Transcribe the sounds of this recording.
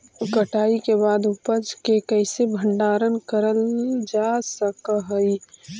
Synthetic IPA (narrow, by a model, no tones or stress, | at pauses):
kəʈaːikebaːd̪upəd͡ʒkekəɪsebʱəɳɖaːɾənkəɾəld͡ʒasəkɦəi